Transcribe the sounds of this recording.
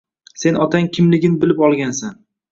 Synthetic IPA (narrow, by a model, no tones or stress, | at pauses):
se̞nʔɒt̪ʰaŋkʲʰɪmlɪɡʲɪnbɪlɪpɒlˠɡʲansan